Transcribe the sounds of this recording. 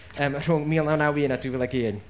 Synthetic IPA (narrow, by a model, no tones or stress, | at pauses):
əːmr̥ʊŋmiːlˠnawnawinadivɛlˠaɡiːn